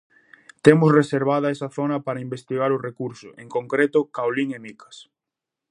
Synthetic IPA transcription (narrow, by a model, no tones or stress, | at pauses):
t̪emʊsreseɾβaðɐesɐθonɐpaɾɐimbest̪iɣaɾʊrekuɾsʊ̰ʔeŋkoŋkɾet̪ʊkawliŋemikɐ̥s